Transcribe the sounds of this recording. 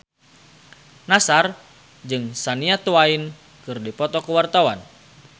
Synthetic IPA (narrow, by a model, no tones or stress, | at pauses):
nasar | d͡ʒɨŋsaniat̪uain | kɨrdipɔt̪ɔkuwart̪awan